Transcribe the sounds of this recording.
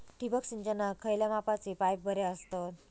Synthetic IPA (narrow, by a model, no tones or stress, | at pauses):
ʈibəksind͡ʑənakʰːəjljamapat͡sipajp̚bʱəɾeəst̪ot̪